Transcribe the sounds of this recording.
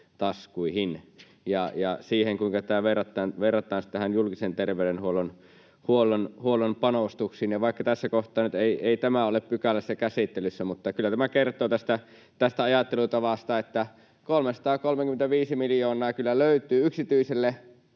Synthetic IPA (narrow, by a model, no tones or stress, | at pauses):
t̪ɑskuihin | jɑjɑsiːheŋkuiŋkɑt̪æːʋerːɑt̪ːˑɑːnʋerːɑt̪ːˑɑːnsit̪æhænjulkisent̪erʋeøɾenhuolon | huolonhuolːˑompɑnost̪uksiːnjɑʋɑˑikːɑt̪æsːækoht̪ˑɑːnyt̪eˑieˑit̪æmæoleppykælːæsːækæsit̪ːelysːæmut̪ːɑkylːæt̪æmækert̪ˑoːt̪æst̪æ | t̪æst̪æɑjɑt̪ːelut̪ɑʋɑst̪ɑet̪ːæ | kolmesɑ̥t̪ɑːkolmeŋkyment̪æʋiːsimiljoːnˑɑːkylːæløyt̪ˑyːyksit̪yiselːe